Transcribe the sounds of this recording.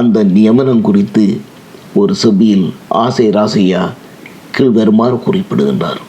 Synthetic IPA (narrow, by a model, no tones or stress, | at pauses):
ɐnd̪ɐnɪjɐmɐnɐmkʊrɪt̪ːɯ | ɔɾɯsɐbɪjɪlʔa̰ːsɐjɾaːsɐja | kɪɭʋɐɾmaːrkʊrɪpːɪɽɯɣɪndra̰ːɾ